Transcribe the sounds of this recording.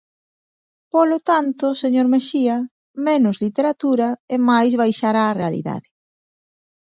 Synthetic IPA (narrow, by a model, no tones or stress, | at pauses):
polot̪ant̪ʊseɲoɾmeʃiɐ | menʊzlit̪eɾat̪uɾɐemajzβajʃaɾaːrealḭða̰ðɪ